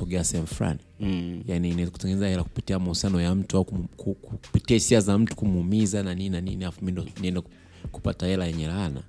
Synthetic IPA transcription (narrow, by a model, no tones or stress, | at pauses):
ɔɡɛasɛɛm̩ufula̰nijaniːnaɛzaku̥tɛŋɡɛnɛzahɛlaku̥pitiamausianɔjam̩tuakukukupitiahisiazam̩tu̥kumuumizananinanḭniafumindɔniɛndɛk | ku̥patahɛlajɛɲɛɾana̰